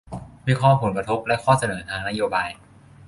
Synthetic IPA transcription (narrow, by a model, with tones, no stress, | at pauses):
wiː˦˧˥kʰɔː˥˩pʰo˩˦nkɾa˧t̪ʰo˦˥p̚lɛ˦˥kʰɔː˥˩sa˧nɤː˩˦t̪ʰaː˧ŋna˦˥joː˧baː˧j